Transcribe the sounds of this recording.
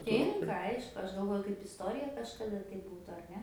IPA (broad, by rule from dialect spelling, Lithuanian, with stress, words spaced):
ˈtʲɪŋkɐ ˈɐɪʃkʊ ˈɐʃ ɡɐlˠˈʋoːjʊ kɐɪp ɪsˈtoːrʲɪjɛ kɐʃkɐˈdɐ tɐɪ ˈbuːtʊ ɐr ˈnʲɛ